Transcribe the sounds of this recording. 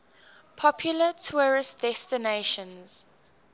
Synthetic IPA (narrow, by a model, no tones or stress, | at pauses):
pʰɔpʰjulətʰuɹɪstd̥ɛstineʃə̃nz̥